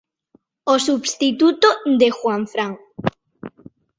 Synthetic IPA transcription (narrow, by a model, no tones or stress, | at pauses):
osubst̪it̪ut̪od̪exwaɱfɾaŋ